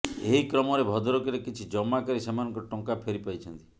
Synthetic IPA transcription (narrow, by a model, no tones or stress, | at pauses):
eɦikɾɔmɔɾebʱɔd̪ɔɾɔkɔɾekit͡ʃʰid͡ʒɔmakɔɾisemanɔ̃ŋkɔʈɔŋkapʰeɾipajt͡ʃʰɔnt̪i̥